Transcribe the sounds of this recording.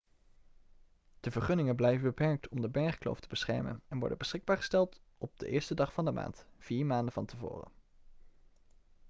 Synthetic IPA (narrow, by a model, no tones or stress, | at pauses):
d̥əvəɹχɵnɪŋənblɛjvənbəpɛɹk̚tʰɔmdəbɛɹχklo̰wftəbəsχɛ̰ɹmə̰nɛnʋɔ̰ɹdə̰nbəsχɪɡ̚baːɹχəstɛlˠt | ɔb̚də̰ʔɪːɹstədɑχfɑndəma̰ːntv̥iːɹmaːndənvɑntəvʊ̰ːrə̰